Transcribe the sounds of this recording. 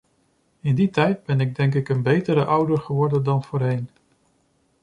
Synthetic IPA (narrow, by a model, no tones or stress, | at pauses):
ɪnditɛjd̚bɛnɪɡ̚dɛŋk̬ɪkənbejtəɾəʔʌwdəɹχəʋɔɹdəndɑnv̥oːɹɦejn